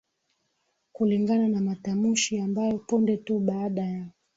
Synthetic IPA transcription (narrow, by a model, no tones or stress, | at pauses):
kuliŋɡananamatamuʃiambajɔpundɛtuɓaːɗaja